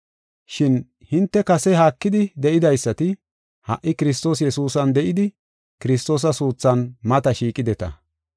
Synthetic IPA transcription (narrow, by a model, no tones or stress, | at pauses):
ʃɪn | hɪnt̪ːɛkɐsɛɦaːkːɪd̪ɪd̪ɛʔɪd̪ɐjsːɐt̪ɪ | hɐ̰ʔːɪkɪɾɪs̬t̪o̞ːs̬jɛsuːsɐnd̪ɛʔɪd̪ɪ | kɪɾɪst̪o̞ːs̬ɐsuːt͡sːɐnmɐt̪ɐʃiːkʼɪd̪ɛt̪ɐ̰